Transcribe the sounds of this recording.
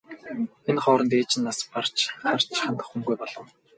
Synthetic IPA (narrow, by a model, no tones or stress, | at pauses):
enχɔːɾə̆nt̪eːt͡ɕɪ̆nːaspar̥t͡ɕχar̥t͡ɕχant̪ə̆χːumɡujpɔɮɞ̆w